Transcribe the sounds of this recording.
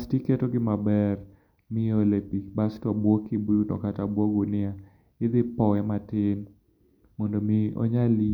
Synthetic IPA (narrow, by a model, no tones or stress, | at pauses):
stiketoɡɪmabɛr | mɪolepibastɔbwɔkibujunɔ̰katabwɔɡunɪa | ɪd̪ɪpɔɛmatɪn | mɔndɔmɪɔ̰ɲali